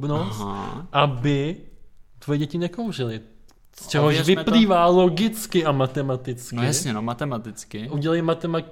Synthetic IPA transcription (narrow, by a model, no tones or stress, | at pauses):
bnosaʔabɪ | t̪vojɛɟɛcɪnɛkowrɪlɪ | st͡ʃɛɦoʃvɪpliːvaːlo̞ɡɪt͡skɪʔamat̪ɛmat̪ɪt͡sknɪjasɲɛnomat̪ɛmat̪ɪt͡skɪʔuɟɛlajmat̪ɛma